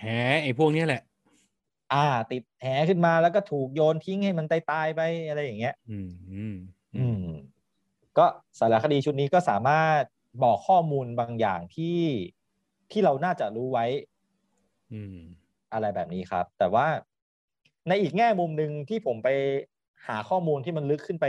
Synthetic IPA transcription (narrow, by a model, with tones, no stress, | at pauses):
hɛː˩˦˥ʔa˧˩jpʰu˥˩ək̚ni˦˥˨lɛ˨˩ʔ | ʔaː˧˩t̪i˨˩t̪̚hɛː˩˦kʰɯ˥˩nmaː˧lɛː˦˥wkɔː˥˩t̪ʰuː˨˩k̚joː˧nt̪ʰi˦˥ŋha˥˩jma˧nt̪a˧jt̪aː˧jpa˧jʔa˧ɾa˧jːa˨˩ŋːi˦˥ɐɯː˧˩ | ʔɯː˧m | kɔː˥˩sa˨˦˥la˨˦˥kʰa˧diː˧t͡ɕʰu˥t̪̚niː˦˥kɔː˥˩saː˩˦maː˥˩t̪̚ | bɔː˨˩kʰːɔː˥˩muː˧nba˧ŋja̰ː˨˩ŋt̪ʰiː˥˩ | t̪ʰiː˥˩ɾa˧wnaː˥˩t͡ɕa˨˩ʔɾuː˦˥wa˦˥j | ʔa˧ɾa˧jbɛː˨˩p̚niː˦˥kʰɾa̰˦˥p̚t̪ɛː˨˩waː˥˩ | na˧jʔiː˨˩k̚ŋɛː˥˩mu˧mnɯ˧ŋt̪ʰiː˥˩pʰo˩˦mpa˧j | haː˩˦xʰɔː˥˩muː˧nt̪ʰiː˥˩ma˧nlɯ˦˥kʰːɯ˥˩npa˧j